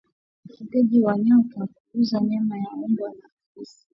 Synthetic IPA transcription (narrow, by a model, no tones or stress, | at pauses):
kitɛʄiwaɲaɔtunakukuzaɲɛmajaumbwanakaisi̥